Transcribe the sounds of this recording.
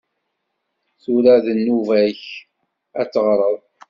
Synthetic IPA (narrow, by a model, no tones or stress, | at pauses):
θuɾæðənːuvæç | æt͡sːəʁɾˤəðˤ